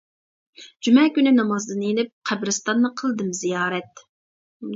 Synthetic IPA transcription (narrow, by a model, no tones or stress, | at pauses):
d͡ʒymɛkʲynɪnɑmɑzd̪ɨnelɪp̚qʰæbɾɨst̪ɑnːɨqʰəlˠd̪ɨmzijɑːɾɛt̪